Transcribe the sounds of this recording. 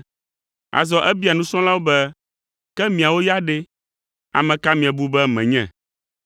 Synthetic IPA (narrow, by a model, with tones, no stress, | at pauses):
a̰˨zɔ˨ʔɛ˦bi˦a˨nũ˦sɔ̃˦la˦wo˦bɛ˦ | kɛ˦mĩ˨a˨wo˦ja˦ɖe˦ | a̰˨mɛ̃˨ka˦mĩ˨a˨bu˦bɛ˦mɛ̰̃˨ɲɛ̰̃˨